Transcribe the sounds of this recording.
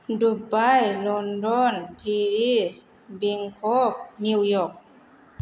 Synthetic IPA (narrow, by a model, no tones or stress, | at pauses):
dubajlɔndɔnpʰiɾis | biŋkʰɔk̚niwjɔk̚